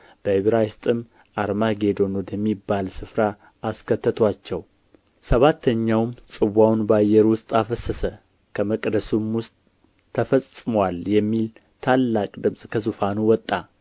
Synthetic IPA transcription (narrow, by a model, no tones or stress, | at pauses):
b̥əhɪβɾajɪst̪ʼɨm | aɾmaɡe̞d̪o̞nod̪əmːibːalsɨfɾaː | skʰət̪ːət̪ʰwat͡ʃːɛw | səβat̪ʰːəɲːawmsʼɨβwawnbajːɛɾwʊst̪ʼafəsəsə | kʰəməkʼd̪əsumwʊst̪ʼʰː | əfəsʼɨmwaljɛmːil | t̪ʰalːakʼd̪ɨmsʼkʰəzufanuwɔt̪ʼːa